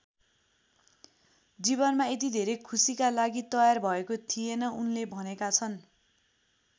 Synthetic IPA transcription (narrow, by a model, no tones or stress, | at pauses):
d͡ziβʌnmaet̪̬id̪ʱeɾekʰusikalaɡit̪ʌjarbʱʌekot̪ʰijenʌunlebʱʌnekat͡sʰʌn